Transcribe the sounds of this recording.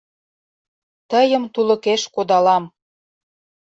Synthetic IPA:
t̪ə̆jə̆mt̪ulɤ̆keʃkod̪ɑlɑm

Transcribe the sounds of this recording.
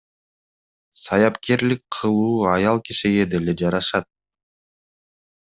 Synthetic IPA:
sɑjɑpke̞ɾlik̚qʰɯlˠuːɑjɑlˠkiʃiɡe̞d̪e̞le̞d͡ʒɑɾɑʃɑt̪̚

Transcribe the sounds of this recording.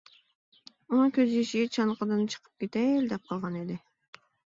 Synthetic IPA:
unɨŋkʲʰøzjeʃɪɡʲɛt͡ʃʰɑnqʰɑd̪ɨnt͡ʃʰə̥qʰə̥p̚kʲet̪ɛld̪ɛp̚qʰɑlˠʁɑned̪ɪ

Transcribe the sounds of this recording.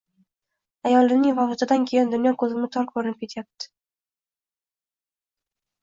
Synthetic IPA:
ajɒlˠːɪnɪŋvɒsɪt̪ʰad̪ankʲʰejɪnd̪ʊnjɒnkʰɵzɪmnɪt̪ʰɒɾkbʰoɾɪnɪp̚kʰet̪ʰjap̚t̪ɪ̥

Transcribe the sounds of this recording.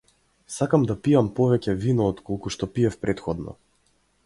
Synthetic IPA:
sakamd̪apiampɔvɛcɛvinɔːt̪kɔlˠkuʃt̪ɔpiɛfpɾʔɛt̪xɔd̪nɔ̰

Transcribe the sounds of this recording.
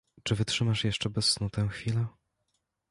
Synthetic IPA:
t͡ʂɘvɘtʂɘmaʂjɛʂt͡ʂɛbɛsːnut̪ʰɛw̃xfʲilɛ

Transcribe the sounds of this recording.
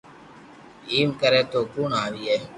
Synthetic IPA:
iːmkəɾeːt̪oːkuːɳaːʋiːɛː

